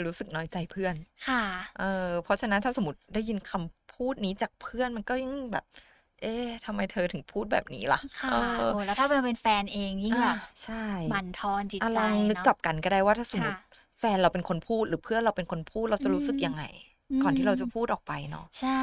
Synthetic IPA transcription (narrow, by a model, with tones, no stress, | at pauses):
ɾuː˦˥sɯ˨˩k̚nɔː˦˥jt͡ɕa˧jpʰɯ˥˩ənkʰa˥˩ʔɤː˧pʰɔ˦˥t͡ɕʰa˧na˦nt̪ʰaː˥˩so˨˩˦mːu˦˥t̪̚daː˥˩ji˧nkʰa˧mpʰuː˥˩t̪̚niː˦˥t͡ɕaː˨˩k̚pʰɯ˥˩ənma˧nkɔː˥˩ja˧˩ŋŋbɛ̰ː˨˩p̚ | ʔeː˧˩t̪ʰa˧mːa˧jt̪ʰɤː˧t̪ʰɯ˩˦ŋpʰuː˥˩t̪̚bɛ̰ː˨˩p̚nḭː˦˥la̰˧˩ʔkʰaʔɤː˥˩˧t̪ʰaː˥˩a˧pe˧nfɛː˧nʔeː˧ŋji˥˩ʔaː˧a˨˩t͡ɕʰa˥˩ja˨˧˩nt̪ʰɔː˧nt͡ɕi˨˩ʔa˧lɔ˧ŋnɯ˦˥kːa˨˩p̚ka˧nkɔː˥˩daː˥˩jwaː˥˩t̪ʰaː˥˩so˩˦mu˦˥t̪̚ | fɛː˧nɾa˧wpe˧nkʰo˧npʰuː˥˩t̪̚ɾɯː˩˦pʰɯ˥˩ənɾa˧wpe˧nkʰo˧npʰuː˥˩t̪̚ɾa˧wtt͡ɕa˨˩ɾuː˦˥sɯ˨˩k̚ja˧ŋːa̰˧j | kɔː˨˩nt̪ʰiː˥˩ɾa˧wt͡ɕa˨˩pʰuː˥˩ʔɔː˨˩k̚pa˧jnɔ̰˦˥ʔt͡ɕʰa˥˩